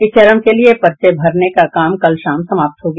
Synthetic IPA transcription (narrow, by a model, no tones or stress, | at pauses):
ɪt͡ʃəɾəmkeliepɐɾt͡ʃebʱɐɾnekakaːmkɐlʃaːmsɐmaːp̚t̪ɦoːɡɐj